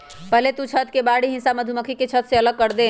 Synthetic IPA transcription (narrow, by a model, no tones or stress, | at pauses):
pəɦlet̪ũt͡ʃʰət̪kebaɽiɦĩsaməd̪ʱuməkʰiket͡ʃʰət̪seələɡ̚kəɾd̪e